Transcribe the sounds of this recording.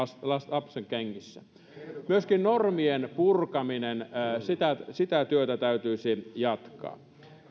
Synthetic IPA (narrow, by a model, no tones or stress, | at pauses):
slɑsɑpseŋkeŋːisːæ̰ | myøskinnormienpurkɑminensit̪æsit̪æt̪yøt̪æt̪æyt̪yisijɑt̪kɑ̰ː